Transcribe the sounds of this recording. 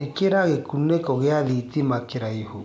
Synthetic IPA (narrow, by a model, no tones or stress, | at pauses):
ekeɾaɣekunekɔɣeaðit̪imakeɾaiho